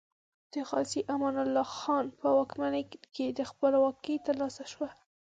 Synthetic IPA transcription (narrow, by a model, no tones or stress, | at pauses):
d̪̥əxɑsiʔamɑnalːɑxɑnpəwɑkmanəked̪əxpəlwɑkəjt̪aɾlɑsaʃwa